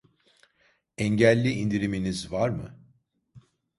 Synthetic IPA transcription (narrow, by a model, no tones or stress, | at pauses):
ɛɲɟælʲːiind̪iɾiminizvaɾmɯ